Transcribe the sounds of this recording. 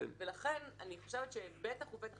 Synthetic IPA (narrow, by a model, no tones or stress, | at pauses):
velaχe̞naniχoʃevet̪ʃebet̪aχubet̪a